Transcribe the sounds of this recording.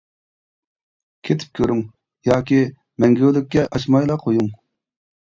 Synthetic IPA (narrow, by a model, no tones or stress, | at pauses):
kʲʰet̪ʰɪ̥p̚kʲʰøɾyŋ | jɑːkʲi | mɛŋɡʲølɪk̚ʲːɛʔɑʃmɑjlˠɑqʰojuŋ